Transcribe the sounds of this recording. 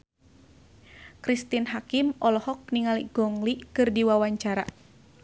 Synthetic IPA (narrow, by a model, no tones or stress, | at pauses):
kɾist̪inɦakimɔlɔhɔk̚niŋaliɡ̥ɔŋliʔkɨrdiwawaɲt͡ʃaɾa̰